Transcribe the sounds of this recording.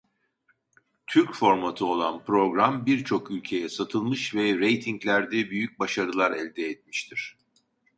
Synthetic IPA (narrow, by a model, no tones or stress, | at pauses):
t̪ʰyɾcfo̞ɾmat̪ʰɯo̞lˠanpɾo̞ɡɾambiɾt͡ʃʰo̞kylʲcʰe̞jɛsat̪ʰɯlˠmɯʃvɛɾejt̪ʰiɲclʲæɾd̪ɛbyjyc̚baʃaɾɯlˠaɾɛ̰lʲd̪ɛːt̪̚mi̥ʃt̪ʰiɾ̥